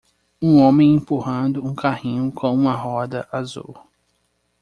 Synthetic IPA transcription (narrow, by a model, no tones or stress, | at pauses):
ũõmẽj̃ẽpuɦɐ̃d̪ʊũkaɦĩɲʊkʰõw̃ũmɐɦɔd̪ɐʔazṵw